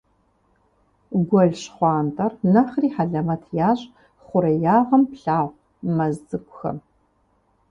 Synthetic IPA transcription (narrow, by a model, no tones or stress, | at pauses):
ɡʷɔɮɕχʷɑːntʰʼɐrnɐχriːħaɮɐmɐtʰjaːɕʼ | χʷʊɾɐjaːʁɐmpɬaːʁʷ | mɐzdɨkʷʼʊxɐ̰m